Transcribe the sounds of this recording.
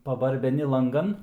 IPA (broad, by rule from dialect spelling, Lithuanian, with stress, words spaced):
pɐbɐrʲbʲɛˈnʲɪ lˠɐŋˈɡɐn